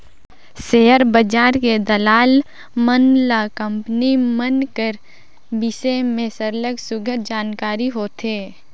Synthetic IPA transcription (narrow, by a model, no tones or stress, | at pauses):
seːəɾbəd͡ʒaːɾked̪əlaːl | mənlakə̃mpnimənkəɾ | bɪsemẽsəɾləɡsʊɡʱəd͡ʒaːnkaːɾiɦoːt̪eː